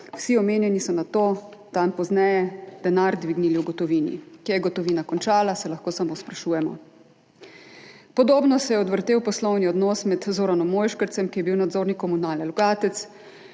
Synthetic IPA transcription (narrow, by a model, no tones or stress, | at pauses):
wsiɔmeːnjɛnisɔnat̪oːd̪̥anpɔznɛjɛd̪̥anaɾd̪ʋiɡniliuɡɔt̪ɔʋiːnḭkijɛɡɔt̪ɔʋiːnakɔnt͡ʃaːlasɛlɐxkoːsamoːspɾaʃuːjɛmɔ̰ | pɔd̪oːbnɔsɛjɛɔd̪ʋəɾt̪eːwpɔslɔwniɔd̪nɔːsmɛd̪zoːɾanɔmːoːjʃkəɾt̪sɛmkijɛbiwnad̪zoːɾnikɔmunaːlɛlɔɡaːt̪ɛt̪s